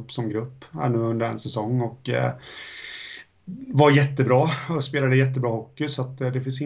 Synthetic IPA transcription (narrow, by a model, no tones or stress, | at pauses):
pːsɔmɡɾɵpːhæ̰ɳʉ̟ːɵnd̪əɾɛ̰nsɛsɔŋːɔk | vajɛt̪ːəbɾɑːɔspeːlad̪əjɛt̪ːəbɾɑːhɔkːɪsat̪ːd̪ɛfɪns̬ɪ